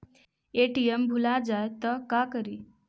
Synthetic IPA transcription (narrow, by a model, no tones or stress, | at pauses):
eʈiembʱulad͡zajt̪əkakəɾi